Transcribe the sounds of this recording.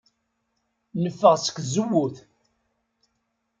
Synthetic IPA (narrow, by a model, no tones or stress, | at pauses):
nəfːəʁsə̥kʷzəwːuθ